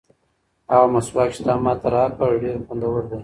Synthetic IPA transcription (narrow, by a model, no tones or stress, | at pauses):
aɣamaswɑkʃt̪ɑmɑt̪aɾɑkaɖeɾxʊnd̪awəɾd̪aj